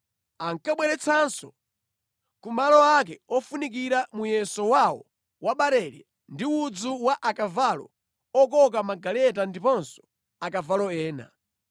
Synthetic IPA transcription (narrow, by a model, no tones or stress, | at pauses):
aŋkaɓwɛɾɛt͡sʰansɔ | kumalɔak̬ɛɔfunik̬iɾamujɛsɔwawɔ̰ | waɓaɾɛɾɛ | ndiud͡zuwaʔakavalɔ̰ | ɔk̬ɔk̬amaɡalɛtandipɔnsɔ̥ | akavalɔɛːna̰